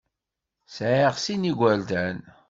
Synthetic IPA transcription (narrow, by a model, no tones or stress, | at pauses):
sʕəʁsiniɡʷæld̪æn